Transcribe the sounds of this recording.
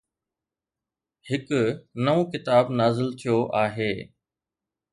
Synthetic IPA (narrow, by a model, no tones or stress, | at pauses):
hɪknɐõːkɪt̪aːbnaːzɪlt̪ʰijoʔaːɦeː